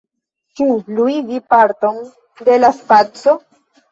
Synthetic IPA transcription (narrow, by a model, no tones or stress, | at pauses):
t͡ʃuluidipaɾto̞n | de̞laspat͡so̞